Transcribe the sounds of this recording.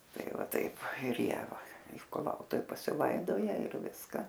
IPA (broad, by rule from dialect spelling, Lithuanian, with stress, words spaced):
tɐɪ ʋɐ ˈtɐɪp ɪr ˈjiɛ ʋɐ ɪr kʊˈlˠɐʊtʊw pɐsʲɪˈlˠɐɪdoːjɛ ɪr ˈʋʲɪskɐ